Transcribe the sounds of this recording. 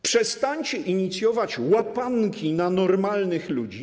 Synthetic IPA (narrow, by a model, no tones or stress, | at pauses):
pʂɛst̪aɲt͡ɕɛʔiɲit̪sʲjɔvat͡ɕwapaŋkʲinanɔɾmalnɘxlud͡ʑi